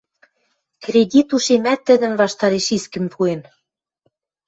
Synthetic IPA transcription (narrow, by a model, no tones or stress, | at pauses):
kredʲit̪uʃemæt̪ːɘ̆d̪ə̆nβɑʃt̪ɑɾeʃiskɘ̆mpʰuen